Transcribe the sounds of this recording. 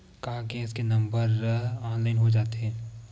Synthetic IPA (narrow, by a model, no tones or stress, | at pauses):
kaːɡẽːskenɐ̃mbəɾɔːnlaɪnɦod͡ʒaːt̪eɦɛ̃ː